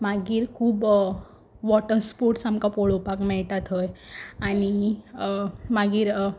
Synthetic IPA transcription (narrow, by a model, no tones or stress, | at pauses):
maɡiːɾkʰuːb | ʋɔʈəɾspoɾʈsamkapɔɭopakmɛɭʈat̪ɦojañi | maɡiːɾ